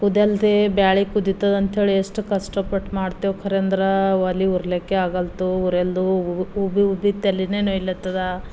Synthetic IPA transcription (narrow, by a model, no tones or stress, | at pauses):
kud̪eld̪ebjaːɭikud̪it̪ːɐd̪ɐnt̪ɦeːɭiesʈukɐsʈɐpɐʈmaːɖt̪ijokʰɐɾend̪ɾɐʋɐliuɾlekːeaːɡɐlt̪uuɾeld̪uubiubit̪elːinenoilːɐt̪ːɐd̪a